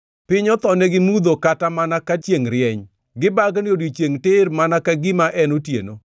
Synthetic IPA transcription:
pɪɲɔt̪ɔnɛɡɪmud̪okatamanakat͡ʃjeŋɾɪɛɲ | ɡɪbaɡnodit͡ʃjeŋtɪrmanakaɡɪmaʔɛnotjḛno

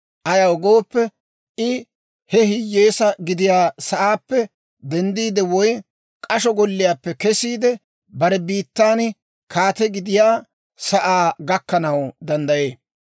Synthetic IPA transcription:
ʔɐjɐwɔɡoːpːɛ | ʔɪ | hɛhɪjːe̞ːsɐɡɪd̪ɪjaːsɐʔaːpːɛ | d̪ɛnd̪iːd̪ɛwɔj | kʼɐʃɔɡɔlːɪjaːpːɛkɛsiːd̪ɛ | bɐɾɛbiːt̪ːaːn | kʰaːt̪ɛɡɪd̪ɪjaː | sɐʔaːɡɐkːɐnɐwd̪ɐnd̪ɐjeː

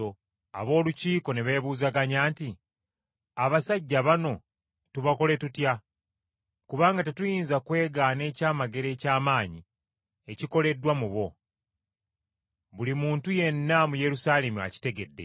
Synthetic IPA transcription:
o | a̰βo̞ːluciːko̞neβe̞ːβuːzaɡaɲaːnti | aβasaɟːaβano̞ | tuβako̞le̞tutja | kuβaːŋɡate̞tujiːnzakwe̞ːɡaːne̞ːcaːmaɡe̞ɾe̞ːcaːmaːɲi | eciko̞le̞dːwamuβo̞ | βulimuːntuje̞nːamuje̞ɾusaːle̞mua̰ci̥te̞ɡe̞dːe̞̰

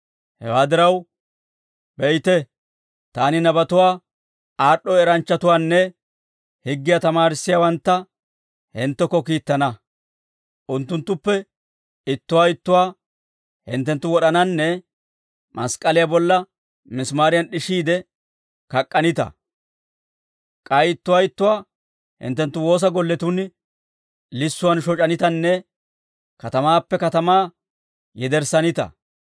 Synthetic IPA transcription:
hɛ̰waːd̪ɪɾɐw | bɛjt̪ɛ | t̪aːnɪnɐbɐt̪ʊwaː | aːɗɔɛɾɐnt͡ʃːɐt̪ʊwaːnːɛ | hɪɡːɪjat̪ɐmaːɾɪsːɪjawɐnt̪ːɐ | hɪnt̪ːɛkːɔkiːt̪ːɐnɐ | ʔʊnt̪ːʊnt̪ːʊpːɛ | ɪt̪ːʊwaːɪt̪ːʊwaː | hɪ̰nt̪ːɛnt̪ːʊwɔɗɐnɐnːɛ | mɐ̰skʼɐlɪjabɔlːɐ | mɪsmaːɾɪjɐnɗɪʃiːd̪ɛ | kɐkʼːɐnɪt̪ɐ̰ | kʼɐjɪt̪ːʊwaːɪt̪ːʊwaː | hɪ̰nt̪ːɛnt̪ːʊwo̞ːs̬ɐɡɔlːɛt̪ʊn | lɪsːʊwɐnʃɔt͡ʃʼɐnɪt̪ɐnːɛ | kɐt̪ɐmaːpːɛkɐt̪ɐmaː | jɛd̪ɛɾsɐnɪt̪ɐ̰

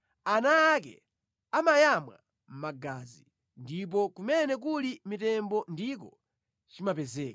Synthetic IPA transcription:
anaːkɛ̰ | amajamwa | m̩maɡaːzi | ndip̬ɔkumɛnɛk̬ulimitɛmbɔndikɔ | t͡ʃimapɛzɛːka

